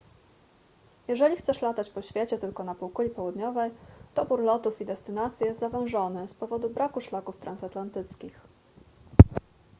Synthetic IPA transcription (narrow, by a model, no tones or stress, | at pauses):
jɛʐɛlʲixt̪sɛʂlat̪at͡ɕpɔɕfʲjet͡ɕɛt̪ɘlkɔnapuwkulʲipɔwud̪ɲɔvɛjt̪ɔbuɾlɔt̪ufid̪ɛst̪ɘnat̪sʲjijɛst̪zavɛ̃w̃ʐɔnɘspɔvɔd̪ubɾakuʂlakuft̪ɾansat̪lant̪ɘt̪skʲix